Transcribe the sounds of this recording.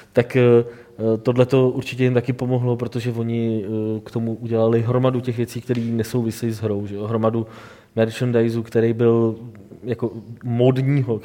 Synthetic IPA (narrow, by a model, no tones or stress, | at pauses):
t̪akː | t̪o̞dlɛt̪o̞ʔuɾt͡ʃɪcɛjɪmt̪akɪpo̞moɦlo̞pɾot̪o̞ʒɛvo̞ɲɪkt̪o̞muʔuɟɛlalɪɦɾo̞maducɛxvjɛt͡siːk̚t̪ɛɾiːnɛso̞wvɪsɛjɪzɦɾo̞wʒɛjoɦɾo̞madu | mɛɾt͡ʃondajzukt̪ɛɾejbɪl | jako̞modɲiːɦo̞